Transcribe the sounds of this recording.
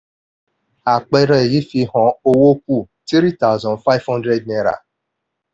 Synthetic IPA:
a˨k͡pe˦ɾe˦˨ji˦fi˧ɦɔ˨o˦wo˦kʷu˦˨ | ti˦ɾi˦ta˦ʊ˦zɔ̃˨nfa˦ɪ˦vhɔ̃˦ndɾe˦d̚ne˦ɾa̰˨

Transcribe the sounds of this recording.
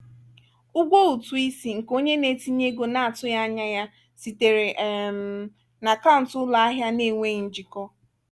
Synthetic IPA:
ʊ˦ɡʷo˦u˨tu˨i˦si˨ŋ̩˨ko˦ɲe˦ne˦ti˦ɲe˦ɡo˨na˨a˨tʊ˦ja˦a˦ɲa˦ja˦ | si˨te˨ɾe˨ʔm˨ | na˨ka˦ʊ˨n̩˨tʊ˦la˨a˦ɦja˦ne˦˨ŋʷe˦˨n̩˨d͡ʒi˨kɔ˦

